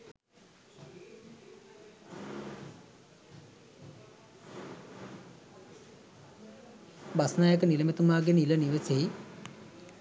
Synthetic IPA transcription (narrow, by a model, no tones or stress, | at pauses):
basnajəkəniləmet̪umaːɡeniləniʋesei